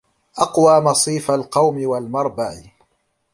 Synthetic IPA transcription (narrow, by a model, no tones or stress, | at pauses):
ʔɑqwaːmɑsˤiːfalqɑwmɪwalmɑɾˤbaʕ